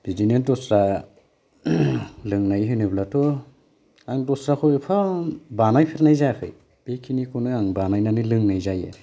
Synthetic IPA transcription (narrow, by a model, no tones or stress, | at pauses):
bidinedɔsɾa | lɯŋnajɦɯjnɯblatʰɔ | aŋdɔsɾakʰɔjpʰabanajpʰiɾnajzapʰɯ̰j | b̥ekʰinikʰonɯaŋbanajnanɯlɯŋnajzajḛ